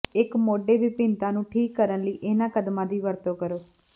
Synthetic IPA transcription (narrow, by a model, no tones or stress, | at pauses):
ɪkmoːɖeːʋipɪ̃nt̪ãːnũːʈʰiːkːəɾənləiːʔɪnãːkəd̪mãːd̪iːʋəɾt̪oːkəɾoː